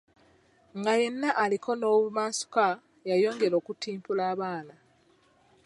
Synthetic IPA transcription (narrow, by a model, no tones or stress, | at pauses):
ŋɡaje̞nːaʔːlikʰo̞no̞ːβumaːsu̥ka | jajo̞ːŋɡe̞ɾo̞ːkutiːmpulaːβaːna